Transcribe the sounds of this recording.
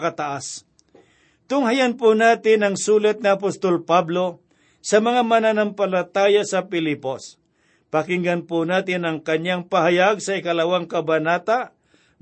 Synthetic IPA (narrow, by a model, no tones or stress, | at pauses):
kɐt̪aʔas | t̪ʊŋhajanpʊnaːt̪ɪnɐŋsuːlɐt̪̚ŋiɐpost̪olpablo̞ | sɐmɐŋamɐnanampɐlɐt̪aːjasɐpɪlɪpos | pɐkɪŋɡanpʊnaːt̪ɪnɐŋkɐɲaŋpahajaɡsɐɪkɐlɐwaŋkɐbanaːt̪a